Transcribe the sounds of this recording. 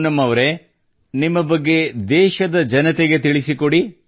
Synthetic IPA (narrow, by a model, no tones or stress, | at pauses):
nɐmɐʋɐɾe̞ | nimːɐbɐɡːe̞d̪ɛːʃɐd̪ɐd͡ʒɐnɐt̪eɡe̞t̪iɭisikoɽi